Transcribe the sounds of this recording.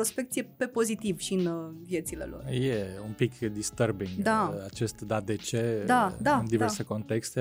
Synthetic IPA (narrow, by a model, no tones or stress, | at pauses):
ɾo̞spekt̪sijepe̞po̞zit̪ivʃiɨnvje̞t̪sile̞̰lo̞̰rjeumpikd̪ist̪əɾbiŋaat͡ʃest̪d̪ad̪et͡ʃed̪ad̪and̪iveɾse̞ko̞nt̪ekst̪e